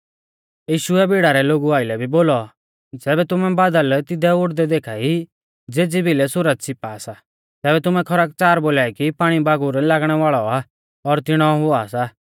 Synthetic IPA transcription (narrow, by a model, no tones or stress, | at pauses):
jiːʃuɛbɪɽaɾɛloːɡuaːɪlɛbʱiboːlɔ | d͡zɛːbɛt̪ʊmɛbaːd̪əlt̪ɪd̪ɛʊʈd̪ɛd̪eːkʰaːi | d͡zeːd͡zibʱilɛsʊɾət̪̚sɪpaːsa | t̪ɛːbɛt̪ʊmɛkʰɔɾak̚t͡saːɾboːlaːikipaːɽ̃ibaːɡʊɾlaːɡɽ̃ɛʋaːɭɔa | ɔɾt̪ɪɽ̃ɔɦʊaːsa